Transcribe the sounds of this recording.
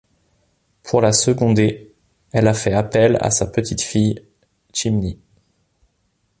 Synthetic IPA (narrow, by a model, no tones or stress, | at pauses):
pʰuʁlasəɡɔ̃d̪e | ɛlafɛapɛla̰sapət̪it̪fij | t͡ʃimni